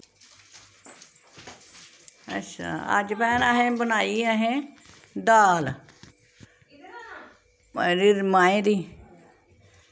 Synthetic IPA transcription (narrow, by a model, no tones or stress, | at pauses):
ə̰tːʃʰa̰ːə̰d͡ʒpɛːnəɦẽːbənaːiəɦẽː | d̪aːl | ɾiːmaːẽːd̪iː